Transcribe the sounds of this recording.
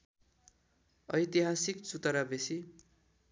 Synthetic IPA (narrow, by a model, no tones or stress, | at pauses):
ʌjt̪iɦasikt͡sut̪ʌɾabesi